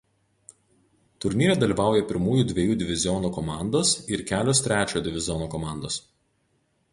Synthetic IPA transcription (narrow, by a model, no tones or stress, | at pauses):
t̪ʊɾʲnʲiːɾʲɛd̪ɐlʲiːʋɑˑʊjɛpʲɪɾmuːjuːˑd̪ʲʋʲɛjuːd̪ʲɪʋʲɪzʲɪɔnuːkɔmɑˑnd̪oːsɪɾkʲæːlʲoːst̪ʲɾʲæːt͡ʃʲoːjod̪ʲɪʋʲɪzʲɪɔnuːkɔmɑˑnd̪oːs